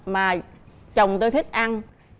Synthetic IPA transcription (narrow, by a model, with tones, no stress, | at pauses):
maː˨˩t͡ɕə˨˩wŋ͡mt̪oː˧jt̪ʰi˦˥k̟̚ʔa˧n